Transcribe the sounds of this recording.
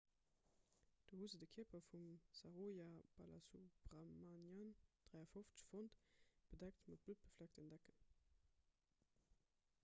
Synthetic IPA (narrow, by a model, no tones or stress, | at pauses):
d̥oːhuzədəkʰipɐfumsaʁojab̥ala̰subʁamanjand̥ʁæɪɐfoft͡sə̥ʃfontb̥ədæk̚tmɑt̚b̥lut̚b̥əflæk̚tənd̥ækən